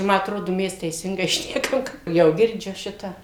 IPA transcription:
ˈmɐ ɐtˈroːdʊ ˈmʲɛs tʲɛɪˈsʲɪŋɡɐɪ ˈʃʲnʲæːkɐm ˈjɛʊ ɡʲɪrʲˈd͡ʒʲʊ ˈʃʲɪtɑː

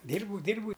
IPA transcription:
ˈdʲiːrbɐʊ ˈdʲiːrbɐʊ

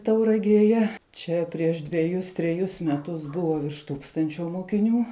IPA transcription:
tɐʊrɐɡʲeːˈjɛ ˈt͡ʃʲɛ pʲrʲiɛʃ dʲʋʲɛˈjʊs tʲrʲɛˈjʊs mʲɛˈtʊs ˈbʊʋoː ʋʲɪrʃ ˈtuːkstɐnʲt͡ʃʲoː moːkʲɪˈnʲuː

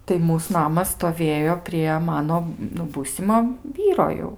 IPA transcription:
tɐɪ ˈmuːs ˈnɑːmɐs stoːˈʋʲeːjoː pʲrʲiɛ ˈmɑːnoː nʊ ˈbuːsʲɪmoː ˈʋʲiːroː jɛʊ

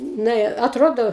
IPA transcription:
ˈnɐ ɪ ɐtˈroːdoː

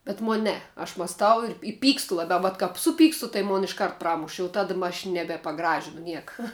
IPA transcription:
bʲɛt ˈmoːnʲ ˈnʲɛ ɐʃ mɐsˈtɐʊ ɪr ɪ ˈpʲiːkstʊ lˠɐˈbʲɛʊ ʋɐt kɐp ˈsʊˌpʲiːkstʊ tɐɪ ˈmoːn ɪʃˈkɐrt ˈprɑːmʊʃ jɛʊ ˈtɑːdɐ mɐ ɐʃ ˈnʲæːbʲɛ pɐˈɡrɑːʒʲɪnʊ ˈnʲiɛkɐ

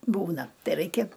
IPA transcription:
ˈbuːnɐ ˈtɐɪ ˈrɐɪkʲɛ

